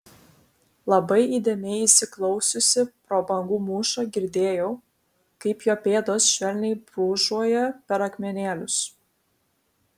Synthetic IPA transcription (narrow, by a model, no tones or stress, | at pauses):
lˠɐbɐɪiːd̪ʲeːmʲɛɪisʲɪklˠɒʊsʲʊsʲɪpɾoːbɐŋɡuːmuːʃɐɡʲɪɾʲd̪ʲeːjɛʊ | kɐɪpjoːpʲeːd̪oːsʃʲʋʲɛlʲnʲɛɪbɾuːʒuɔjɛpʲɛɾɐkʲmʲɛnʲeːlʲʊs